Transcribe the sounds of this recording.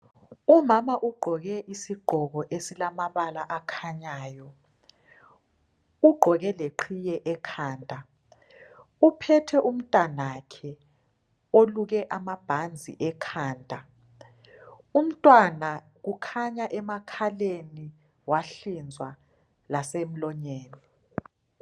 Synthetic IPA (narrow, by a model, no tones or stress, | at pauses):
umamaʔuɡ͡ǃʱɔɣɛʔisiɡ͡ǃʱɔɣɔʔesilamaβalaʔakʰaɲaːjɔ | uɡ͡ǃʱɔɣɛleǃʰijɛʔɛkʰaːndʼʱa | upʰɛtʰɛʔum̩tʼanakʰɛ | oluɣɛʔamab̥ʱand͡zʱḭʔɛkʰaːndʼʱa | um̩tʼwana | ɣ̬ukʰaɲaʔɛmakʰaleni | waɬind͡zʱwa | lasem̩lɔɲeːni